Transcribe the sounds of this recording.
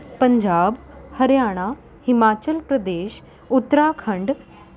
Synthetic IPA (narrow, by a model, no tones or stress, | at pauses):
pəɲd͡ʑaːbhəɾjaːɽ̃a | himaːt͡ɕəlpɾəd̪eːɕ | ut̪ːɾakʰəɳɖ